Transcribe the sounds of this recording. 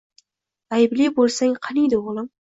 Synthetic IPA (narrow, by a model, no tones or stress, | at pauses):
ajɪblijbolˠsaŋqʰɑnijd̪ɪoʁlˠɪm